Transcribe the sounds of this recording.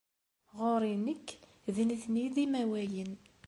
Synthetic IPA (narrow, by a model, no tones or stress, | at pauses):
ʁoɾˤinəkː | ðiniθniðimæwæjən